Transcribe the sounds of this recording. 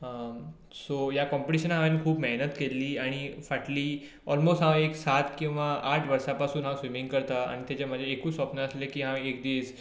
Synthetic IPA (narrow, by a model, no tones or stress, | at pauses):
sojakɔ̃mpiʈiɕənɦãʋenikʰuːbmeɦnət̪kelːiːaɽ̃ifaʈliː | ɔlmosʈɦãeksat̪kĩw̃ʋaʔaʈʰʋəɾsapasuːnɦãsʋimĩŋɡkəɾt̪aa̰ɽ̃it̪jat͡ɕam̤əd͡ʑʱaekũːsʋɔpnəəslekiɦãek̚d̪iːs